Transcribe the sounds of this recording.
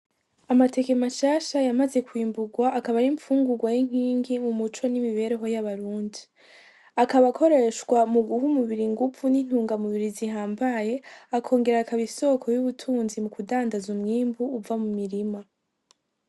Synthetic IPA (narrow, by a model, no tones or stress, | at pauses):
amate̞ke̞maʃaːʃajamaze̞kwiːmbuɡwaʔːkaβajiɱfuːŋɡuɡwajiŋ̥hiːŋɡiumut͡ʃo̞nimiβe̞ɾe̞ɦo̞jaβaɾuːndi | akaβakʰo̞ɾe̞ʃkwamuɡuhumuβiɾiŋɡufunin̥huːŋɡamuβiɾiziɦaːmbaje̞akʰo̞ːŋɡe̞ɾakaβiso̞kʰo̞juβutʰuːnzimukudaːndazumŋiːmbuːvamumiɾima